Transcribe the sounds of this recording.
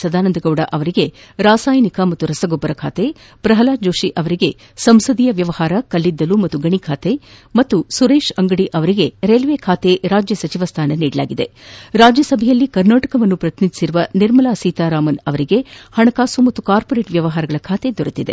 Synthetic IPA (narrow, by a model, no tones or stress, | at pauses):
sɐd̪aːnɐnd̪ɐɡɐʋuɽɐʔɐʋɐɾiɡe̞ɾaːsaːjɐnikɐmɐt̪ːuɾɐsɐɡɔbːɐɾɐkʰa̰ːt̪e̞ | pɾɐɦɐlaːd͡ʒoːʂiʔɐʋɐɾiɡe̞ | sɐmsɐd̪ijɐʋjɐʋɐhaːɾɐkɐlːid̪ːɐlumɐt̪ːuɡɐɳikʰaːt̪emɐt̪ːusuɾe̞ːʃɐŋɡɐɽiʔɐʋɐɾiɡe̞ɾeːlʋekʰaːt̪e̞ɾaːd͡ʒjɐsɐt͡ʃiʋɐst̪ʰaːnɐniːɽɐla̰ːɡid̪eɾaːd͡ʒjɐsɐbʱɛjɐlːikɐɾnaːʈɐkɐʋɐnːupɾɐt̪inid̪i̥siɾuʋɐniɾmɐlaːsiːt̪aːɾaːmɐnɐʋɐɾiɡe̞hɐɳɐkaːsumɐt̪ːukaːɾpoɾe̞ːʈʋjɐʋɐɦaːɾɐɡɐɭɐkʰaːt̪e̞d̪ɔɾɐt̪id̪e̞̰